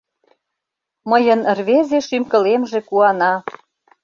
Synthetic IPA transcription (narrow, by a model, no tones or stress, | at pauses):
məjə̆nrβezeʃymkə̆lemʒĕkuɑnɑ